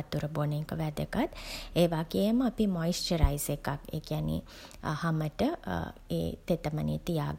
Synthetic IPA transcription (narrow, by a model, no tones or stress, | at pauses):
t̪ːuɾəboneŋkəʋæd̪əkat̪eːʋaɡejəməapimɔjsʈəɾajsekakḛːkijanḭ | haməʈəḛːt̪et̪əmənḭːt̪ija̰ːɡ